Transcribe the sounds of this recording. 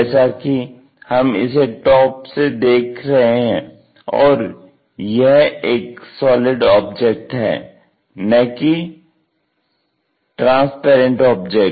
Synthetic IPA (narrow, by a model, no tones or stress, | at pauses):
ɛːsaki | hɐmɪ̰seʈɔːpsed̪eːkʰɾɐɦeɦɛ̃ː | ɔ̰ːɾ | jeɦeːksɔːlɪɖɔːb̚d͡ʒek̚ʈɦɛ̰ː | nɐki | ʈɾãːspɛːɾə̃ɳʈɔːbd͡ʒɛ